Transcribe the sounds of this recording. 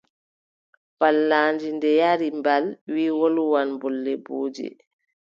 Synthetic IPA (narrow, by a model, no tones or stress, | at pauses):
palːaɲd͡ʒindɛjaɾimbalwiːwoluwanmbɔlːɛboːd͡ʒɛ̰